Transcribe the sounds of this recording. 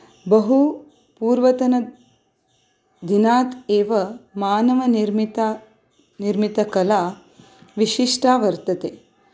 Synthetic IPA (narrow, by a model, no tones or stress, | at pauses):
bɐɦu | puːɾʋɐt̪ɐnɐ | d̪inaːt̪eːʋɐmaːnɐʋɐniɾmit̪a | niɾmit̪ɐkɐlaː | ʋiʂiʂʈaːʋɐɾt̪ɐt̪eː